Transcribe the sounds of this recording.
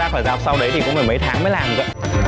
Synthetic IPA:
aː˧˩kɔː˨˩zaː˧˩p̚sa˧wɗə˨˧˩jt̪ʰi˨˩kʊ̰˧˥ŋ͡mməː˨˩mə˧˦jt̪ʰaː˨˦ŋməː˨˦jlaː˨˩m˨˩kə̰˧˦

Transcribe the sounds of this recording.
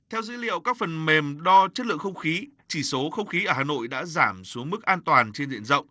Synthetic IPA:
t̪ʰɛ˧wzḭ˧˥lḭ˧˨əwkaː˦˥k̚fə˨˩nme˨˩mɗɔ˧t͡ɕə˦˥t̚lɨ̰˧˨əŋxə˧wŋ͡mxi˨˦ | t͡ɕi˧˩so˨˦xə˧wŋ͡mxi˨˦ʔəː˧˩haː˨˩no̰˧˨jɗa̰ː˧˥zaː˧˩msu˨˦əŋmɨ˦˥k̚ʔaː˧nt̪waː˨˩nt͡ɕe˧nzḭ˧˨ənzə̰˧˨wŋ͡m

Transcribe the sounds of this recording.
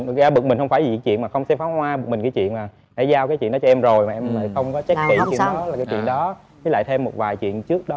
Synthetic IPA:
a˧˦ɓɨ˨˩k̚mï˨˩ŋ̟xə˧wŋ͡mfaː˧˩jzi˨˩ki˨˦t͡ɕwḭ˧˨ənmaː˨˩xə˧wŋ͡msɛ˧faː˨˦hwaː˧ɓɨ˨˩k̚mi˨˩ŋki˨˦t͡ɕwḭ˧˨ənmaː˨˩ | ɗe˧˩˦zaː˧wkaː˨˦jwḭ˧˨nɗɔ˨˦t͡ɕɔ˧ɛ˧mzo˨˩jmaː˨˩ʔɛ˧mlə̰ː˧˨˩xə˧wŋ͡mkɔ˨˦t͡ɕa˦˥k̚kḭ˧˨˧laː˨˩kaː˨˦t͡ɕḭ˧˨ənɗɔ˨˦ | t͡ɕɨ˨˦la̰ː˧˨jt̪ʰe˧mːo˨˩t̚vaː˨˩jt͡ɕwḭ˧˨ənt͡ɕɨ˦˥ək̚ɗɔ˨˦

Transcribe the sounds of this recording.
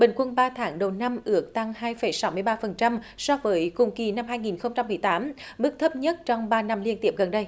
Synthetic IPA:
ɓï˨˩ŋ̟kwə˧nɓaː˧t̪ʰaː˨˦ŋɗə˨˩wna˧mʔɨ˨˥ək̚t̪a˧ŋhaː˧jfə˧˩˦jsa˨˦wmɨ˧əjɓaː˧fə˨˩nt͡ɕa˧msɔ˧vəː˨˦jkʊ˨˧˩ŋ͡mki˨˩na˧mɦaː˧jŋi˨˩nxə˧wŋ͡mt͡ɕa˧mːɨ˨˩əjt̪aː˨˦mɓɨ˦˥ək̚t̪ʰə˦˥p̚ɲə˦˥t̚t͡ɕɔ˧wŋ͡mɓaː˧na˧mli˧nt̪ḭ˧˩əp̚ɣə˨˩nɗə˧j

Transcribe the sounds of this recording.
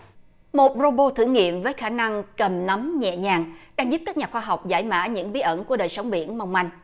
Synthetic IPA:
mo˨˩t̚zo˧ɓo˧t̪ʰɨ̰˧˩ŋḭ˧˨əmvəː˨˦jxaː˧˩na˧ŋkə˨˩mna˨˦mɲɛ̰˧˨ɲaː˨˩ŋɗaː˧ŋzu˦˥p̚kaː˦˥k̚ɲaː˨˩xwaː˧ɦa˨˩wk͡p̚za̰ː˧˩jma̰ː˧˥ɲɨ̰˧˥ŋɓi˨˦ʔə˧˩nku˧˩əɗəː˨˩jsə˨˦wŋ͡mɓḭ˧˨ənma˧wŋ͡mma˧jŋ̟

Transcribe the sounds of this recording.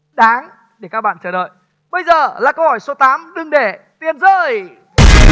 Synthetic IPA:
ɗaː˨˦ŋ | ɗe˧˩kaː˦˥k̚ɓa̰ː˧˨nt͡ɕəː˧˩ɗə̰ː˧˨j | ɓə˧jzəː˨˩laː˨˩kə˧whɔ˧˩jso˨˦t̪aː˨˦mɗɨ˨˩ŋɗe˧˩ | t̪i˧ənzəː˧˩j

